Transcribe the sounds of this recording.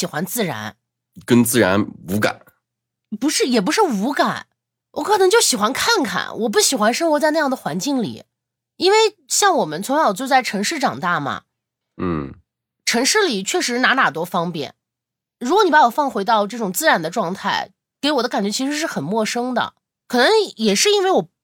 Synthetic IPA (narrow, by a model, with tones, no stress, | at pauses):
ɕi˨˩xwa˧˥nt͡sɹ̩˥˩ɻa̰˧˥n | kə˥nt͡sɹ̩˥˩ɻa˧˥nu˧˥ka̰˨˩˦ | pu˧˥ʂɻ̩˥˩jɛ˨˩p̬u˧˥ʂɻ̩˥˩u˧˥ka˨˩˦n | wɔ˧˥kʰɤ˨˩nɤ˧˥ŋt͡ɕjo˥˩ʊɕi˨˩xwa˧˥nkʰa˥˩nkʰa̰˨˩nwɔ˨˩p̬u˥˩ɕi˨˩xwa˧˥nʂɤ˥ŋxwɔ˧˥t͡sa˥˧ɪn˥˧jɑ˥˩ŋd̪ə˩xwa˧˥nt͡ɕi˥˩ŋlḭ˨˩˦ | i˥nwe˥˧ɪɕjɑ˥˩ŋwɔ˨˩mə˦nt͡sʰwa˧˥jo˨˩t͡ɕwɔ˥˧t͡sa˥˩ɪʈ͡ʂʰɤ˧˥ŋʂɻ̩˥˩ʈ͡ʂɑ˨˩ŋt̪a˥˩mɐ̰˩ | n̩˥˩ | ʈ͡ʂʰɤ˧˥ŋʂɻ̩˥˩li˨˩t͡ɕʰɥɛ˥˩ʂɻ̩˧˥na˧˥na˨˩t̪wɔ˥fɑ˥ŋpjɛ̰˥˩˦n | ɻu˧˥kwɔ˧˦ni˨˩pa˧˥wɔ˨˩fɑ˥˩ŋxwe˧˥ɪt̪ɑ˥˧ʊʈ͡ʂɤ˥˩ʈ͡ʂʊ˨˩ŋt͡sɹ̩˥˧ɻa˧˥nd̪ə˧ʈ͡ʂwɑ˥˧ŋt̪ʰa˥˩ɪ | ke˧˥ɪwɔ˨˩d̪ə˦ka˨˩nt͡ɕɥɛ˧˥t͡ɕʰi˧˥ʂɻ̩˧˥ʂ̬ɻ̩˥˩xə˨˩nmwɔ˥˩ʂɤ˥ŋd̪ə̰˨˩ | kʰɤ˨˩nɤ˧˥ŋjɛ˨˩ʂɻ̩˥˧i˥nwe˥˩ɪwɔ˨˩